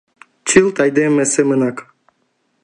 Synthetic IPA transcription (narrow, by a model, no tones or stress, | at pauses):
t͡ʃilt̪ajd̪emːɛsemɨnak